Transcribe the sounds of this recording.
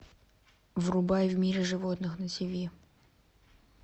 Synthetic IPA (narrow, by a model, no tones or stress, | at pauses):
vrʊbajvmʲiɾʲɪʐɨvot̪nɨxnəsʲɪvʲi